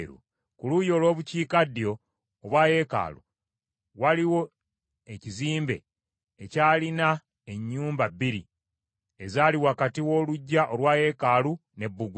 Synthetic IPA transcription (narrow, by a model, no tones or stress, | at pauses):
ɾṵ | kulujo̞ːlwo̞ːβuciːkadijo̞ː | βwaːje̞ːka̰ːlṵ | waliwo̞ | eciziːmbe̞̰ː | caːlina | e̞ɲːuːmbabːiɾḭ | ezaːliwaːkatiwo̞ːluɟːaʔolwaːje̞ːkalune̞bːuɡu